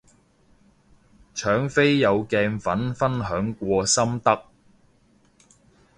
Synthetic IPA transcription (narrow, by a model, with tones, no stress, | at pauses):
t͡ʃʰœː˨˥ŋfe˥jːɐ˨˧wkɛː˧ŋfɐ˨˥nfɐ˥nɦœː˨˥ŋkʷɔː˧sɐ˥mt̪ɐ˥k̚